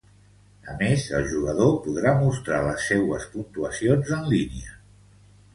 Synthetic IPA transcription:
əmezəlˠʒuɣəðopuðɾamust̪ɾaləsːɛwəspunt̪uəsionzənliniə

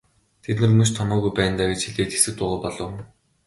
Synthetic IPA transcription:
t̪ʰet̪nɘ̆rmɵ̆ʃt̪ʰɔmɔːɣujpæːnt̪aːɡet͡ɕxiɮeːt̪xe̥sɘ̆k̚t̪ʊʁɔːpɔɮɞ̆w

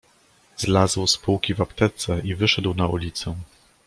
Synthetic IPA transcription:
zlazwspuwkʲivapt̪ɛt̪sɛʔivɘʂɛd̪wnaulʲit̪sɛ

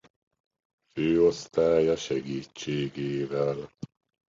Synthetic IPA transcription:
føːost̪aːjɑʃɛɡiːt͡ʃːeːɡeːvæl

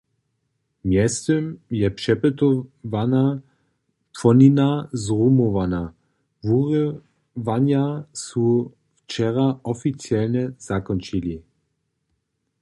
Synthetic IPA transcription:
mjɛst̪ɔmjɛpʂɛpɛt̪ɔvana | pfɔninazʁumɔvana | vuʁ | vanjasu | ft͡ʃɛʁaɔfit͡siɛlɲɛz̥akɔnt͡ʃili

